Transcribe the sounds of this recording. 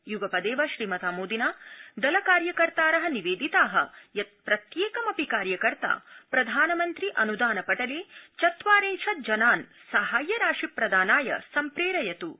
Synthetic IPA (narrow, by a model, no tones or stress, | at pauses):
juɡɐpɐd̪eːʋɐʃɾiːmɐt̪aːmoːd̪inaːd̪ɐlɐkaːɾjɐkɐɾt̪aːɾɐɦɐniʋeːd̪it̪aːɦɐ̰jɐt̪̚pɾɐt̪jeːkɐmɐpikaːɾjɐkɐɾt̪a̰pɾɐd̪ʱaːnɐmɐnt̪ɾiʔɐnud̪aːnɐpɐʈɐleːt͡ʃɐt̪ʋaːɾeːʃɐd͡ʒɐnaːn | sɐɦaːjɐɾaːʂipɾɐd̪aːnaːjɐ̰sɐmpɾeːɾɐjɐt̪u